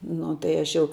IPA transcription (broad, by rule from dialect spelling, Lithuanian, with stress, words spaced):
ˈnʊ tɐɪ ˈɐʃ jɛʊ